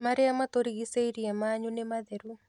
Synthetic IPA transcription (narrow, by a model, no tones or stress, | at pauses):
maɾeamat̪oɾiɣiseiɾiɛmaːɲunemaðɛɾu